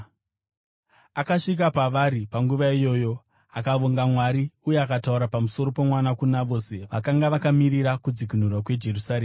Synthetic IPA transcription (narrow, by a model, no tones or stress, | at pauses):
akaʂik̬apaʋaɾipaŋɡuʋaijo̞ːjo̞ | akaʋoŋɡamwaɾiujeakatauɾapamuso̞ɾo̞pomwanakunaʋo̞se̞ʋakaŋɡaʋakamiɾiɾakud͡zikin̤urwakwe̞d͡ʒe̞rusaɾeːm